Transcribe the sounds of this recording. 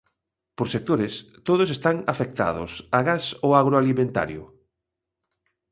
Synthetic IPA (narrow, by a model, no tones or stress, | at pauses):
poɾsek̚t̪oɾest̪oð̞ʊsest̪aŋafek̚t̪a̰ðʊsaɣasoaɣɾoalimẽnt̪a̰ɾjʊ̰